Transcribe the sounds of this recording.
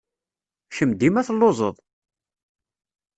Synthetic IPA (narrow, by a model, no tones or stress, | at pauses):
çəmd̪imæθlːozˤəðˤ